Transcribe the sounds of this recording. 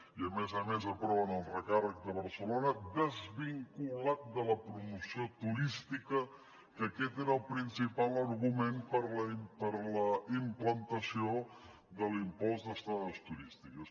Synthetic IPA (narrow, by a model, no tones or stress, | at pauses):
iəmezəmezəpɾɔβənəlˠrəkarək̚d̪əβəɾsəlonəd̪əzβiŋkulat̪̚d̪ələpɾumusiot̪uɾist̪ikə | kəkɛt̪eɾəlˠpɾinsipalˠəɾɣumempəɾləmpəɾləimplənt̪əsio | ðəlimpɔzd̪əst̪ɾaðəst̪uɾist̪ikəs